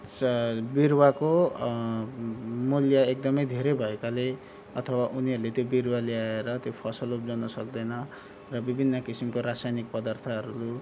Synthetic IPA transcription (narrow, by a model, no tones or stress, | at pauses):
sbirwako | muljaek̚d̪ʌmʌjd̪ʱeɾebʱʌekale | ʌt̪ʰʌwaʔuniɦʌɾulet̪jobirwaleaeɾʌt̪jopʰʌsʌlopd͡zʌnʌsʌk̚d̪ʌjnʌ | rʌbibʱinːʌkisimkoɾasajnik̚pʌd̪art̪ʰʌɦʌɾulu